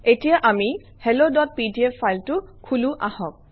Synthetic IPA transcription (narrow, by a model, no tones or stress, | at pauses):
etijaʔami | hɛlodɔt̚pidiefʰajltʊkʰuluʔahɔk̚